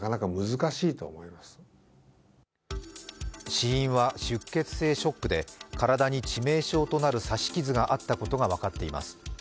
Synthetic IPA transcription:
kanakamɯ̟zɨkaɕiːt̪o̞ːmo̞imasɨ̥ | ɕiĩɰ̃βaɕɨkːe̞t͡sɨ̥se̞ːɕo̞kːɯ̟d̪e̞kʰaɾad̪aɲ̟it͡ɕime̞ːɕo̞ːt̪o̞naɾɯ̟saɕi̥kʲizɨɡaʔat̪ːako̞t̪o̞ɡaβ̞akat̪ːe̞ima̰sɨ̥

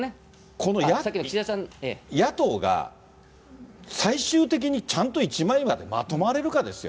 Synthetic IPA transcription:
e | kʰo̞no̞jasakʲːiniasãejat̪o̞ːɡa̰ | saiɕɨːt̪e̞k̬ʲiɲ̟it͡ɕãnt̪o̞it͡ɕimãĩmad̪e̞ma̰t̪o̞maɾe̞ɾɯ̟kad̪e̞sɨjo̞̰

